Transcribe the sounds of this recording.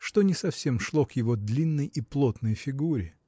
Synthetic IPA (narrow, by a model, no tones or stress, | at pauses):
ʂt̪o̞nʲɪsɐfsʲe̞mʂlˠo̞kjɪvod̪lʲinːəjiplˠot̪nəjfʲɪɡuɾʲɪ